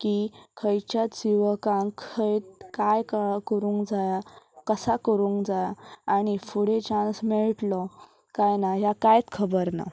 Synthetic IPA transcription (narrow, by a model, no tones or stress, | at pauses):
kikʰəjt͡ɕjasiʋəkãŋkʰəjt̪̚kajkakəɾuːŋkd͡zajakəsakəɾũːŋkd͡zajaaɽ̃ifuɽet͡ɕansmeɭʈlɔ | kajnaɦjakajt̪kʰəbəɾna̰